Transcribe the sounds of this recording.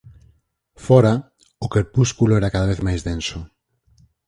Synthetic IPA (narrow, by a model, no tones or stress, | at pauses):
fɔɾa | ʊkeɾpuskulʊɛɾakaðaβeθmajzðensʊ